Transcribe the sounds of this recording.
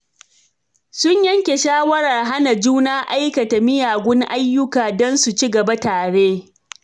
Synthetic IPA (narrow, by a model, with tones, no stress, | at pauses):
sʊ˦ɲjɐ˦ŋkʲe˨ʃaː˦wɐ˦ɽa˨rɦa˦na˨d͡ʒuː˦naː˦ʔa˦jkɐ˨ta˨mɪ˦jaː˨ɡʷʊ˦ŋʔa˦jːʊ˦kaː˨dɔ˦nsu˨t͡ʃi˦ɡɐ˨ba˦taː˨ɽeː˦